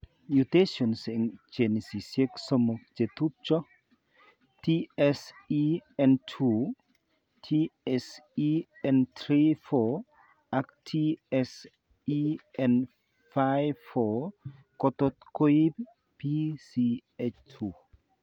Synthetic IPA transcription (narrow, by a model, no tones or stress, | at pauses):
jut̪eʃɔnsiŋt͡ʃenisiseksɔmɔk̚d͡ʒet̪up̚t͡ʃɔ | tiɛsiɛntʰu | tʰiɛsi | ɛnt̪ɾifɔ | aktʰiɛs | iɛn | fajvfɔ | kɔt̪ɔt̪kojib | pisiet͡ʃtʰu